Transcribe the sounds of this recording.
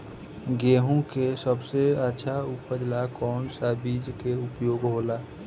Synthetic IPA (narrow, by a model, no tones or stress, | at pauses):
ɡeːɦũkesəbseətːʃʰaupəd͡ʒlakɔːnsabid͡ʒkeʊpjoːɡɦola